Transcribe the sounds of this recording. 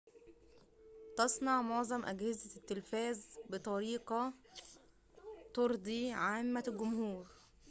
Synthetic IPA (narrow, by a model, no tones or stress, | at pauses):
t̪ɑsˤnɑʕmoʕzˤɑmʔæɡhɪzæt̪ːelfæːzbet̪ˤɑɾiːqɑ | t̪oɾˤd̪ˤiʕaːmːæɡʊmhuːɾ